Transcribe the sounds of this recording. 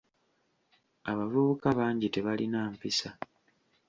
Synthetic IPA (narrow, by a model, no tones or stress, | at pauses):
aβavuβukaβaːɲɟite̞βalinaːmpisa